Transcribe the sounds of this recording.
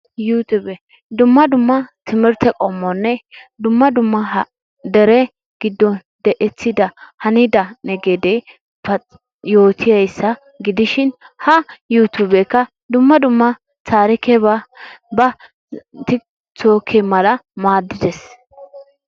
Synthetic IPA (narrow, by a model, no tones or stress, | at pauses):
juːt̪ubɛ | d̪ʊmːɐd̪ʊmːɐt̪ʰɪmɪɾt̪ʰɛkʼomːɔnːɛd̪ʊmːɐd̪ʊmːɐɦɐ | d̪ɛɾɛ | ɡ̥ɪd̪ːɔ | d̪ɛʔɛt͡sːɪd̪ɐhɐnɪd̪ɐnɛɡed̪ɛ | pɐ | jo̞ːt̪ʰɪjɐjsːɐ | ɡɪd̪ɪʃɪn | hɐjuːt̪ubɛkːɐ | d̪ʊmːɐd̪ʊmːɐ | t͡saːɾɪkɛβabɐ | t̪ɪ | t͡soːkʰɛmɐlɐmaːd̪ːɪd̪ɛs